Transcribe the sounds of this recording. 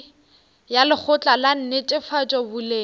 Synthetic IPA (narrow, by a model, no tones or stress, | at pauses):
jalɪk͡xʰʊt͡ɬʼalan̩net͡ʃʼɪfat͡ʃʼɔbʊleː